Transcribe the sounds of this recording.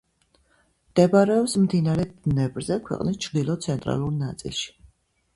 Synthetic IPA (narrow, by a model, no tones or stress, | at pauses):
md̪̥ɛbɾɛɔpsmd̪inaɾɛd̪nɛbɾzɛkʰwɛ̰qʼnist͡ʃʰɾd̪ilˠɔt̪sʰɛnt̪ʼɾa̰lˠuɾnat̪sʼḭlˠʃi̥